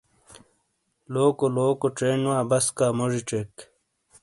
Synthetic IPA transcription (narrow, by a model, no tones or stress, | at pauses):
loːkoloːkoʈ͡ʂeːnwaːbɐskaːmoʐiʈ͡ʂeːk